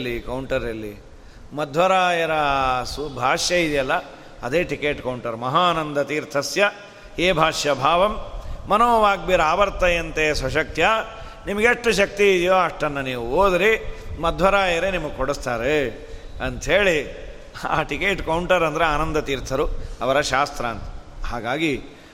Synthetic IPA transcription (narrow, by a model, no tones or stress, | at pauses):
lːikɐwɳʈɐɾɐlːi | mɐd̪ʱʋɐɾaːjɐɾɐsubʱaːʂjɐid̪jɐlːɐ | ɐd̪eːʈikeːʈkɐwɳʈɐɾmɐɦaːnɐnd̪ɐt̪iːɾt̪ʰɐsjɐ | heːbʱaːʂjɐbʱaːʋɐmːɐnoːʋaːɡ̚biːɾaːbɐɾt̪ɐjɐnt̪esʋɐʃ̬ɐk̚t̪ʰja | nimɐɡeʂʈːɐʃɐk̚t̪iːd̪ijoːɐʂʈɐnːɐniːʋuoːd̪ɾimɐd̪ʱʋɐɾaːjɐɾenimɐɡekoɽust̪aːɾe | ɐnt̪ɦeːɭi | a̰ːʈikeːʈkɐwɳʈɐɾɐnd̪ɐɾeaːnɐnd̪ɐt̪iːɾt̪ʰɐɾuɐʋɐɾɐʃaːst̪ɾɐːnt̪ɐ̥haːɡaːɡi